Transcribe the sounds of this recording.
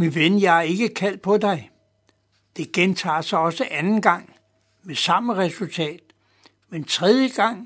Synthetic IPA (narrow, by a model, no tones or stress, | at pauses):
miʋenjɑɪæɐe̝ɡ̥əkʰæl̰d̥̚pʰɒ̽d̥ɑ̈ɪ | d̥e̝ɡ̥ent͡sʰɑ̰̈ːsɑɒ̽səʔænn̩ɡ̥ɑ̈ŋ̰ | mesɑ̈məʁɛsult͡sʰɛ̰ːd̥ | ment͡sʰʁɛð̞ˠjəɡ̥ɑ̈ŋ̰